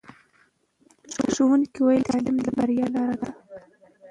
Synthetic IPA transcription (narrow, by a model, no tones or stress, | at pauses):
t͡ʃoʃowənkiwajit̪ɑlɪmlabaɾijɑlɑɾad̪a